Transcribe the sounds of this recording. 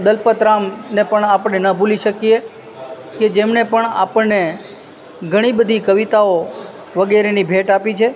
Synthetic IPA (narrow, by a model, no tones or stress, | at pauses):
d̪əlpət̪ɾamnepəɳapəɳenəbʱuliʃəkije | ked͡ʒemnepəɳa̰pəɳnːe | ɡʱəɽ̃ibəd̪ʱikəʋit̪ao | ʋəɡeɾenibʱeʈapit͡ʃʰe